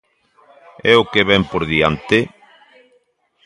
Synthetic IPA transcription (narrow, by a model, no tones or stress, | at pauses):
ɛokeβɛmpoɾðia̰nt̪e